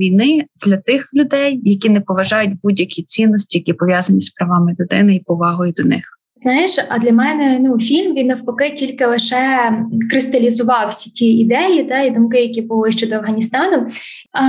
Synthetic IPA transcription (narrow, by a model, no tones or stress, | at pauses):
ʋʲijnɪd̪̥lʲɐt̪ɪxlʲʊd̪ɛjːɐkʲinɛpɔʋɐʒɑjʊd̚ʲbudʲjɐkʲit͡sʲinːɔsʲtʲijɐkʲipɔʋʲjazɐnʲispɾɐʋɑmɪlʲʊd̪ɪ̰nɪipɔʋɑɦɔjʊd̪ɔnɪ̰x | znɑjɪʃɐ̰d̪lʲɐmɛnɛnufʲilʲmʋʲinɐwpɔkɪtʲilʲkɪlˠɪʃɛkɾɪst̪ɐlʲizʊʋɑwsʲi̥tʲiid̪ɛjit̪ɑid̪umkɪjɐkʲibʊlˠɪʃt͡ʃɔd̪ɔɐwɦɐnʲist̪ɑnʊ